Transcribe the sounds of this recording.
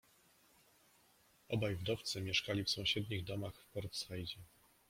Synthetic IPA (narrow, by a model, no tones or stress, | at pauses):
ɔbajvd̪ɔft̪sɘmʲjɛʂkalʲifsɔ̃w̃ɕɛd̪ɲiɣd̪ɔmaxfpɔɾt̪sxajd͡ʑɛ